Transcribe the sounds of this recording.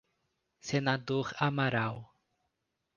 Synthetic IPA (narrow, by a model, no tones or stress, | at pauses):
senad̪oɾamaɾaw